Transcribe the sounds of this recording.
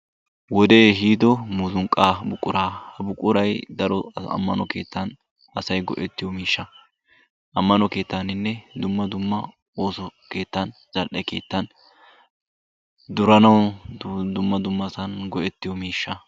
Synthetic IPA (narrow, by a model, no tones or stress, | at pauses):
wɔd̪e̞ːɦiːd̪ɔmuzʊŋkʼːaːbʊkʼːʊɾaːhɐbʊkʼːʊɾɐjd̪ɐɾɔɐ̰mːɐ̰nɔke̞ːt̪ːɐn | ɐsɐjɡɔʔɛt̪ːɪjɔmiːʃːɐ | ʔɐmːɐnɔke̞ːt̪ːɐnɪnːɛd̪ʊmːɐd̪ʊmːɐ | o̞ːsɔke̞ːt̪ːɐn | zɐlʔɛke̞̰ːt̪ːɐn | d̪ʊɾɐnɐw | d̪ʊmːɐd̪ʊmːɐsɐnɡɔʔɛt̪ːɪjɔmiːʃːɐ